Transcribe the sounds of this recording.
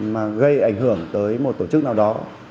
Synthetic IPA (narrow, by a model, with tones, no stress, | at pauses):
maː˨˩ɣə˧jʔa˧˩jŋ̟ɦɨ˧˩əŋt̪əː˨˦jmo˨˩t̚t̪o˧˩t͡ɕɨ˦˥k̚naː˨˩wɗɔ˨˦